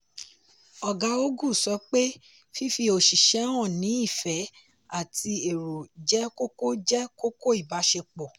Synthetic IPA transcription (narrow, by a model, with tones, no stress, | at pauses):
ɔ˨ɡa˨˧o˦ɡu˦˨sɔ˨˧˦k͡pe˦ | fi˦fi˧o˨ʃi˨ʃɛ˨˦w̃ɔ̃˦˨nĩ˨˦i˦˨fɛ˨˦ | a˦˨ti˧e˨ɾo˨d͡ʒɛ˦ko˦ko˦d͡ʒɛ˦ko˦ko˦i˦˨ba˨˦ʃe˧k͡pɔ˨